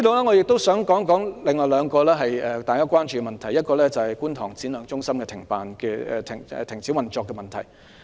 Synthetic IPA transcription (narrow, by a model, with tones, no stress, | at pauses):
i˥t̪o˨wlɛː˥ŋɔ˨˧jɪ˨k̚t̪o˥wsœː˨˥ŋkɔː˨˥ŋkɔː˨˥ŋlɪ˨ŋːɔː˨˩jlœː˨˧ŋkɔː˧lɛː˥ɦɐ˨jɛː˨˧t̪aː˨jkaː˥kʷaː˥nt͡ʃy˨kɛ˧mɐ˨nt̪ʰɐ˨˩jɐ˥t̚kɔː˧lɛː˥t͡sɐ˨whɐ˨jkuː˥nt̪ʰɔː˨˩ŋt͡siː˨˥nlœː˨˧ŋt͡ʃʊ˥ŋsɐ˥mkɛ˧t̪ʰɪ˨˩ŋpaː˨nkɛː˧ɛ̰ː˧t̪ʰɪ˨˩ŋɛ̰˨t̪ʰɪ˨˩ŋt͡sʰiː˨˥wmɐ˨nt͡ʃɔː˨˧kːɛ˧mɐ˨nt̪ʰɐ˨˩j